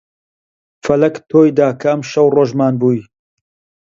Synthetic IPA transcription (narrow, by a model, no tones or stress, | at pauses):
fɐlɐkt̪ʰoːjd̪aːkʰɐɐmʃɐwroːʒmaːnbuːj